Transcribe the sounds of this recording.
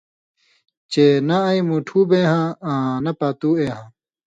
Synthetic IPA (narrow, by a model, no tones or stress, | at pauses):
t͡ɕeːnɐɐimuːʈʰuːbẽːɦãːãnɐpaːt̪uːeːɦãː